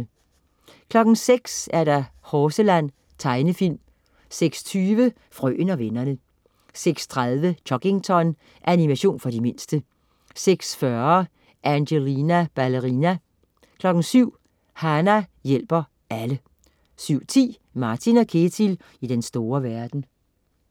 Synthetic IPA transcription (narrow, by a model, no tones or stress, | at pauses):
kʰlɒ̽ɡ̥n̩seɡ̥sæɐɾɑhɒːsəlæn̰ | t͡sʰɑ̈ɪnəfil̰m | seɡ̥st͡sʰyːʋə | fʁœ̰ːnɒ̽ʋenɐnə | seɡ̥st͡sʰʁaðˠʋəd̥ɒ̽ɡ̥e̝ŋt͡sʰɒ̽n | ʔænimæɕo̝̰ːnfɒ̽dime̝nsd̥ə | seɡ̥sfɶɐ | ʔænɕelinæb̥æləʁinæ | kʰlɒ̽ɡ̥n̩syʊ̰ | hænæjel̰b̥ɐ | ælə | syʊ̰t͡sʰḭː | mɑ̈ːt͡sʰinɒ̽kʰe̝t͡sʰil | id̥ensd̥o̝ːɐʋæɐd̥n̩